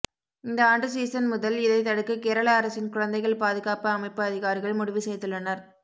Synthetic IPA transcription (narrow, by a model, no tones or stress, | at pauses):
ɪnd̪ɐaːɳɖɯsiːsɐnmʊðɐlɪðɐɪt̪ɐɽɯkːɯkeːɾɐɭaːɐɾɐsɪnkʊɻɐnd̪ɐɪɣɐɭpaːðɯɣaːpɐɐmɐɪpːɯɐðɪɣaːɾɪɣɐɭmʊɽɪʋɪsɛjt̪ːɯɭːɐnɐɾ